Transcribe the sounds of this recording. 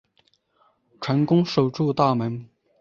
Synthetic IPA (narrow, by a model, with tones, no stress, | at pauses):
ʈ͡ʂʰwa˧˥nkʊ˥ŋʂo˨˩ʊʈ͡ʂu˥˧t̪a˥˩mə˧˥n